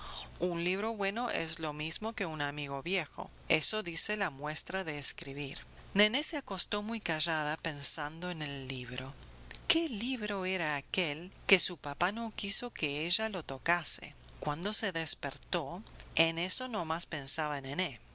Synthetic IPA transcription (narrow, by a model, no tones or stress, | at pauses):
unliβ̞ɾo̞βwe̞no̞ʔḛzlo̞mizmoke̞unamiɣ̞oβjexo̞̰ | esoðiselamwe̞st̪ɾaðeːskɾiβiɾ | neneseako̞st̪o̞mujkaʒaðape̞nsand̪oenelːiβ̞ɾo̞keliβɾo̞eɾaːkelkesupapanokiso̞keeʒalo̞t̪okasḛ | kwand̪o̞se̞ðespeɾt̪o̞eneso̞nomaspensaβaenene